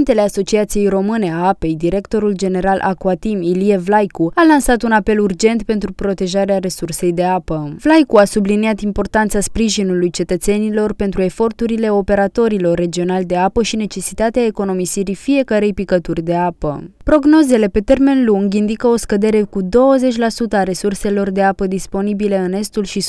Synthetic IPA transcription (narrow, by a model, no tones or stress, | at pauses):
nt̪e̞le̞aso̞t͡ʃiat̪sije̞jɾo̞mɨne̞aape̞jd̪iɾe̞kt̪o̞ɾuld͡ʒe̞ne̞ɾalʔa̰kuat̪imilievlajkualansat̪unape̞lurd͡ʒe̞nt̪pe̞nt̪ɾupɾo̞t̪e̞ʒaɾeaɾe̞surse̞jd̪e̞apəvlajkuasubliniat̪impo̞rt̪ant̪saspɾiʒinulujt͡ʃe̞t̪ət̪se̞nilo̞rpe̞nt̪ɾue̞fo̞rt̪uɾile̞o̞pe̞ɾat̪o̞ɾilo̞rːe̞d͡ʒio̞nald̪e̞apəʃine̞t͡ʃe̞si̥t̪at̪eae̞ko̞no̞misiɾifije̞kəɾe̞jpikət̪urʲd̪e̞apə̰pɾo̞ɡno̞ze̞le̞pe̞t̪e̞rme̞nluŋɡind̪ikəo̞skəd̪e̞ɾe̞kud̪o̞wəze̞t͡ʃʲlasut̪əaɾe̞surse̞lo̞rd̪e̞apəd̪ispo̞nibile̞ɨne̞st̪ulʃi